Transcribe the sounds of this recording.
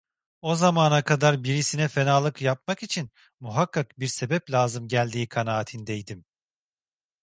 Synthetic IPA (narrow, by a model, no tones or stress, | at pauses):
o̞zamaːnakʰad̪aɾbiɾisinɛfe̞naːlˠɯkjap̚makit͡ʃʰin | muɦakːakbiɾse̞bɛplʲaːzɯmɟælʲd̪iːkʰanaːt̪ʰind̪ejd̪im